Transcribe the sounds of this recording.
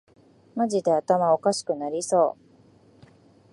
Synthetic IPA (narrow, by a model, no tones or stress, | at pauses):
maʑid̪e̞at̪amao̞kaɕi̥kɯ̟naɾʲiso̞ː